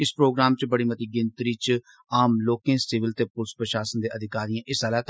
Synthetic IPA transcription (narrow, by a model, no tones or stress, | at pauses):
ɪspɾoːɡɾaːmt͡ʃbəɽiːmət̪iːɡɪ̃nt̪ɾiːt͡ʃ | aːmloːkẽːsɪʋɪlt̪eːpʊɾspɾəʃaːsənd̪eːʔəd̪ʱɪkaːɾijãːʔɪsaːlaːt̪